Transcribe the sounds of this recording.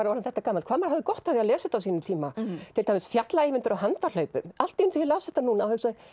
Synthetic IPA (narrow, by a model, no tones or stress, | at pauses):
aɾaɾnθɛht̪akaːmalkvaːmaɾ̥havðɪkɔht̪avðiaðlɛːsʏt̪ːawsiːnʏmt̪ʰiːmat̪ʰɪlt̪ajmɪsfjat̪laeːvɪnt̪ʏɾawɦant̪al̥œɥpʏmal̥t̪ːinθilawsθɛht̪anuːnaːwhœksa